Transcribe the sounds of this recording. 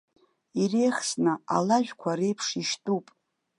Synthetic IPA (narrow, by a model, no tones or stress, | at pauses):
irejχsnɨa̰laʒᶣkʷʰaɾe̞jpʰʂiʃtʼupʼ